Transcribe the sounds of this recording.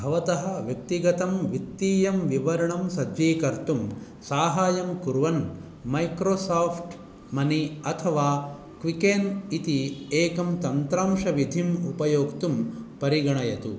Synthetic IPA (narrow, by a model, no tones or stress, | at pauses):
bʱɐʋɐt̪ɐɦɐ̆ʋjɐk̚t̪iɡɐt̪ɐmʋikt̪ːiːjɐmʋiʋɐɾɐɳɐmsɐd͡ʒʋiːkɐɾt̪um | saːɦaːjɐmkuɾʋɐn | mɐjkɾoːsaːpʰʈ | mɐniɐt̪ʰɐʋaː | kʋikeːnit̪ieːkɐmt̪ɐnt̪ɾaːmʂɐʋid̪ʱimupɐjoːkt̪umpɐɾiɡɐɳɐjɐt̪ṵ